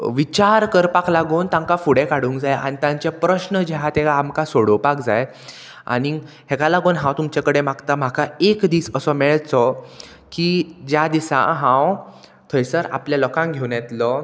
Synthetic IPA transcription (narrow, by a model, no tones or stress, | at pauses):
ʋit͡ɕaɾkəɾpaklaɡoːnt̪ãŋkafuɽekaɽuːŋkd͡zaja̰ɽ̃it̪ãɲt͡ɕepɾəɕnəd͡ʑɛɦat̪ɛkaːmkasoɽəwpakd͡zaj | a̰ɽ̃i | hɛkalaɡoːnɦãwt̪umt͡ɕakəɽemaɡt̪am̤akaekd̪iːsəsɔmɛɭt͡sɔ | kid͡ʑjad̪isã̰ɦãw | t̪ʰəjsəɾa̰pljalɔkãŋɡʱewnɛt̪lɔ